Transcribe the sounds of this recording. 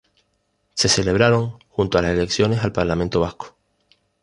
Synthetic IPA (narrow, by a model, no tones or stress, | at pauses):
se̞se̞le̞β̞ɾaɾo̞ŋxunt̪oalase̞le̞ksjone̞salpaɾlamẽnt̪o̞β̞ahko̥